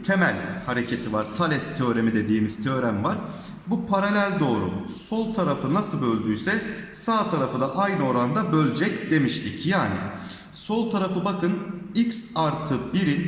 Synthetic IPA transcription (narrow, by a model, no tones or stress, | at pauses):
t̪ʰe̞mælʲhaɾe̞cʰe̞t̪ʰivaɾt̪ʰalʲɛst̪ʰøːɾe̞mid̪e̞d̪iːmiz̥t̪ʰø̞ːɾæmvaɾ̥ | bupʰaɾalʲælʲd̪o̞ːɾṵ | so̞lˠt̪ʰaɾafɯnasɯlˠbø̞lʲd̪yjsɛ | saːt̪ʰaɾafɯd̪aʔajnɯo̞ɾand̪abølʲd͡ʒɛcd̪e̞miʃlʰʲicjaːni | so̞lˠt̪ʰaɾafɯbakʰɯnicsaɾt̪ʰɯbiɾin